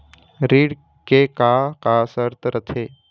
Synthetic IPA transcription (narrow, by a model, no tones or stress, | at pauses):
ɾiːɽ | kekakaːsəɾt̪ʰɾət̪ʰeː